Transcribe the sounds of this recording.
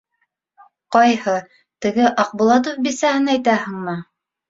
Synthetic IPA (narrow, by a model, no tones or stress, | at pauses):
qɑjhɤ | t̪ɘ̆ɡɘʔɑq̚bŭlˠɑt̪̬ofbisæhɘnæjt̪æɦɤ̆ɴmɤ